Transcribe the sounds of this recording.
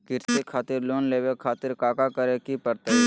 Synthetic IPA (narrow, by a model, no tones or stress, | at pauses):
kɪɾsekʰaːt̪ɪɾloːnleːwekʰaːt̪ɪɾkaːkakəɾekipəɾt̪eɦ